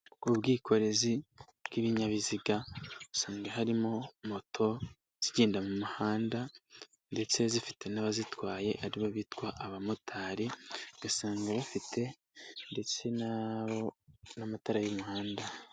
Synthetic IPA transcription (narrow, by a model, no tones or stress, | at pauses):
ubɡiːkʰo̞ɾe̞zi | bɡ̥iβiɲaβiziɡau̥saːŋɡahaɾimo̞mo̞tʰo̞ | z̥iɟeːndamumuhaːnda | nde̞t͡se̞zifi̥te̞naβazitwaːje̞ʔaɾiβoβitwaʔaβamutʰaːɾiɡ̥asaːŋɡaβufitʰe̞ | nde̞t͡se̞naβonamataɾajumuhaːnda